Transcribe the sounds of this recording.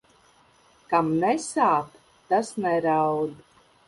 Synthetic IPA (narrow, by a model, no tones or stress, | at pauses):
kamnɛsaːt̪ | t̪ːasnɛɾawd̪